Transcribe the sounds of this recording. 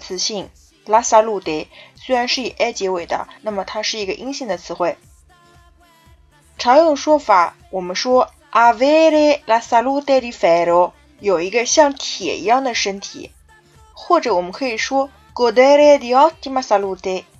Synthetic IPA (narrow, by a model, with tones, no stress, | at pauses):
t͡sʰɹ̩˧˥ɕi˥˩ŋ | la˥sa˥lu˥˧t̪e˥˩swe˥ɪɻa˧˥nʂɻ̩˥˩i˨˩ʔɛ˥t͡ɕjɛ˧˥we˨˩ɪd̪ə̰˦na˥˩mə˩t̪ʰa˥ʂɻ̩˥˩i˧˥ɡə˧ʔi˥ŋɕi˥˩ŋd̪ə˩t͡sʰɹ̩˧˥xwe˥˩ɪ | ʈ͡ʂʰɑ˧˥ŋjʊ˥˩ŋʂwɔ˥fa˧˩˦ | wɔ˨˩mə˦nʂwɔ˥ | ʔa˥˩we˥ɪɾe˥˩la˥sa˥lu˥˧t̪e˥˩ɾi˧˥fe˧˥ɾo˧˥ | jo˨˩ʊi˧˥ɡə˧ɕjɑ˥˩ŋt̪ʰjɛ̰˨˩ḭ˧˥jɑ˥˩ŋd̪ə˩ʂə˥nt̪ʰḭ˨˩˦ | xwɔ˥˩ʈ͡ʂɤ˧˥wɔ˨˩mə˦nkʰɤ˧˥i˨˩ʂwɔ˥ | kɔ˧˩d̪e˥ɾe˥d̪i˧ɑ˥t̪i˥ma˥sa˥lu˥˩t̪e˥ɪ